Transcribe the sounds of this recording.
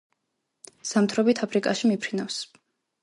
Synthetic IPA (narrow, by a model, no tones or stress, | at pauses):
samt̪ʰɾɔbit̪ʰapʰɾikʼaʃimipʰɾinafs